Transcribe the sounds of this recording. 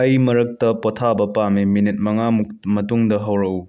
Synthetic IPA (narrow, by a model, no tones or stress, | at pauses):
ɐjmɐɾɐk̚tɐpotʰabɐpamiminit̚mɐŋamumɐtuŋdɐɦɐwɾɐu